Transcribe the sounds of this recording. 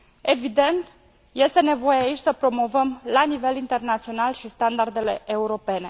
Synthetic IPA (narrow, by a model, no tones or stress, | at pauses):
e̞vid̪e̞nt̪ | je̞st̪e̞ne̞vo̞jeait͡ʃʲsəpɾo̞mo̞vəmlanive̞lint̪e̞rnat̪sio̞nalʃist̪and̪ard̪e̞le̞̰euɾo̞pe̞ne̞